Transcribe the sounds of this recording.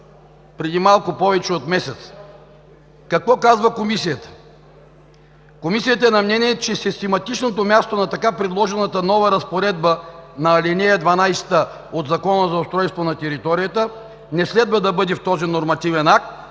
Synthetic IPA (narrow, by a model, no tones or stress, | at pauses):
pɾɛd̪imalˠkʊpɔvɛt͡ʃɛot̪mɛsɛt̪s | kɐkvɔkazvɐkomisijət̪ə̥ | komisijət̪əɛnɐmnɛniɛt͡ʃɛsist̪ɛmɐt̪it͡ʃnot̪̬omʲjast̪onɐt̪ɐkapɾɛd̪lˠɔʒɛnət̪ənɔvɐɾɐspoɾɛd̪bənɐːlʲɛnɛjɐd̪vanajst̪ə | od̪zɐkɔnəzɐʊst̪ɾɔjst̪vonɐt̪ɛɾit̪ɔɾijət̪ə | nɛslɛd̪vɐd̪ɐbɤd̪ɛft̪ɔzinoɾmɐt̪ivɛnak̚t̪̚